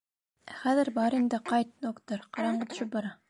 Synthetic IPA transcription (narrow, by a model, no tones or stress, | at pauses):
æχæðɘɾbɑɾind̪ɘqɑjt̪̚d̪okt̪oɾqɑɾɑɴɢɑt̪ʰɵ̥̆ʃɵp̚bɑɾɑ